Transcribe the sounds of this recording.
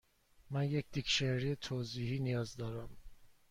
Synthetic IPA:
mænjecd̪̥icʃeɾijet̪ʰoːziːhiːnijɒːzd̪ɒːɾæm

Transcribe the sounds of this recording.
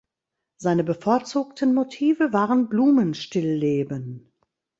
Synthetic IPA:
z̥aɪnəbəfoɐt͡suːk̚tənmotʰiːvəvaːʁənbluːmənʃtɪlːeːbən

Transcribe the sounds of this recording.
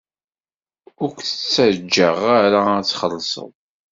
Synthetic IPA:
ʊɾkʷθət͡sːæd͡ʒːəʁaɾaæt͡sːχəlːsˤə̰ðˤ

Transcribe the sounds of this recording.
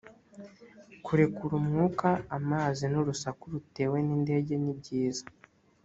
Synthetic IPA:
kuɾe̞kuɾumŋuːkaamaːzinuɾusakuɾute̞ːwe̞niːnde̞ːɟe̞nib̚ɟiːzḁ

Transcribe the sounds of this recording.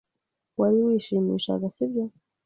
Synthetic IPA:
waliwiʃimḭʃa̰ɡasivjɔ

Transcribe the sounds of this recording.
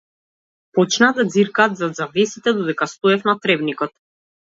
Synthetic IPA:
pɔt͡ʃnaːd̪ad̪ziɾkaːt̪zad̪zavɛsit̪ɛd̪ɔd̪ɛkast̪ɔɛfnat̪ɾɛbnikɔt̪̚

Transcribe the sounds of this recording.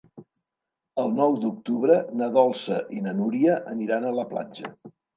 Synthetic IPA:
əlˠnɔwd̪uk̚t̪uβɾənəðɔlˠsəʔinənuɾiəʔəniɾanələpla̰d͡ʒə̰

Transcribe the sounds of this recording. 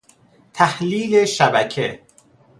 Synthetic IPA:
t̪ʰæhliːleʃæbæcʰe

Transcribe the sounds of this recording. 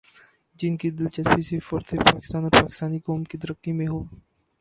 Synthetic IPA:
d͡ʒɪnkid̪ɪlt͡ʃɐtpisifoɾt̪sepaːkɪ̥st̪aːnɔːɾpaːkɪ̥st̪aːnikɔːmkid̪əɾəkːimẽɦoː

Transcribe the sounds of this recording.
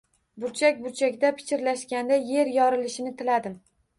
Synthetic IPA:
bʊɾt͡ʃʰakʲbʊɾt͡ʃʰakʲd̪apʰɪ̥t͡ʃʰʲɪɾlaʃkʲand̪aje̞ɾjɒɾɪlɪʃɪnɪt̪ʰɪlad̪ɪm

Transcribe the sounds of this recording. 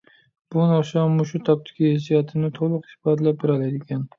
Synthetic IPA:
b̥unɑʃɑmːuʃut̪ʰɑp̚t̪ʰɪ̥kʲʰihesijɑt̪ʰɪnɪt̪ʰolˠʊqɪsbɑd̪lap̚bɪɾɑlad̪ɪkʲʰɛn

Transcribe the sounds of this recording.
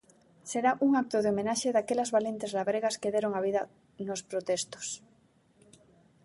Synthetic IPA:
seɾaʔuŋak̚t̪oðeomẽnaʃeðakelɐzβalent̪ezlaβɾeɣaskeðeɾoŋaβ̞iðɐ | nospɾot̪est̪o̥s

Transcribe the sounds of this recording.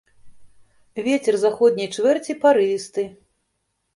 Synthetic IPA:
vʲɛt͡sʲɛrzaxɔd̪ʲnʲijt͡ʂvʲɛrt͡sʲipaɾɨvʲist̪ɨ

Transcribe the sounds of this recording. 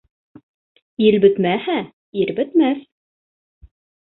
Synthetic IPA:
ilbɵ̆t̪mæhæ | iɾbɘ̆t̪mæθ

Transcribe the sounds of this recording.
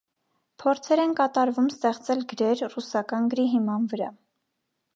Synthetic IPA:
pʰɔɾt͡sʰɛɾɛnkɑt̪ɑɾvumst̪ɛχt͡sɛlɡəɾɛɾrusɑkɑnɡəɾiɦimɑnvəɾɑ̰

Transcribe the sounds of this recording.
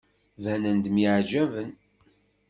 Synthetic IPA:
vænənd̪miʕd͡ʒævən

